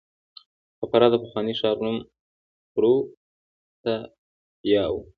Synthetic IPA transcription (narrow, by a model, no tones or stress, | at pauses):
pəpaɾɑd̪əpaxwɑniʃɑɾnum | pɾo | t̪a | jɑw